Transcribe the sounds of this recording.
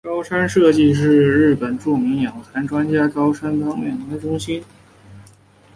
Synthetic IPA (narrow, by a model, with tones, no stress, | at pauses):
kɑ˥ʊʂʰa˥nʂɤ˥˧t͡ɕi˥˧ʂ̬ɻ̩˥˧ɻɻ̩˥˩pə˨˩nʈ͡ʂu˥˩mi˧˥ŋjɑ˨˩ŋtʰa˧˥nʈ͡ʂwa˥nt͡ɕja˥kɑ˥ʊʂʰa˥nfɑ˥ŋjɛ˥˩nt̪ə˧˥ʈ͡ʂʊ˥ŋɕi˥n